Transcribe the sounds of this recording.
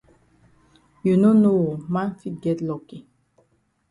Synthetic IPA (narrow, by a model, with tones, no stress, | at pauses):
ju˨no˦no˦wo˨mã˦nfi˦t̚ɡɛ˦tlɔ˦ke˨